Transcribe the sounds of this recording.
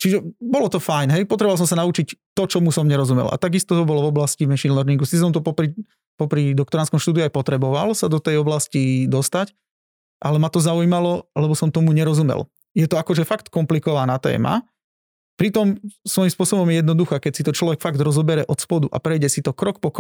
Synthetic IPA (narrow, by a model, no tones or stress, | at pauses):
t͡ʃiʒɛbɔlɔt̪ɔfajnɦɛjpɔt̪ɾɛbɔʋals̬ɔmsanaut͡ʃict̪ɔt͡ʃɔmusɔmɲɛɾɔzumɛ̰la̰t̪aɡist̪ɔt̪ɔbɔlɔvɔblasciʋɛnʃinlɛɾniŋɡusis̬ɔmt̪ɔpɔpɾi | pɔpɾid̪ɔkt̪ɔɾanskɔmʃt̪uːd̪iuajpɔt̪ɾɛbɔʋalsad̪ɔt̪ɛjɔblascid̪ɔst̪ac | ʔalɛmat̪ɔzaujimalɔlɛbɔsɔmt̪ɔmuɲɛɾɔzumɛ̰l | jɛt̪ɔakɔʒɛfakt̪kɔmplikɔʋanat̪ɛ̰ːma̰ | pɾit̪ɔmsʋɔjimspʊɔsɔbɔmjɛjɛd̪nɔd̪uxaːkɛcsit̪ɔt͡ʃlɔʋɛkfaɡd̪ɾɔzɔbɛɾɛʔɔt̪spɔd̪uʔa̰pɾɛjɟɛsit̪ɔkɾɔkpɔk